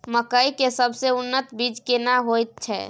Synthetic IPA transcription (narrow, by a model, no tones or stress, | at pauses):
məkəikesəbʱseʊnːət̪bid͡ʒkenaɦojt̪̚t͡ʃʰɛ̰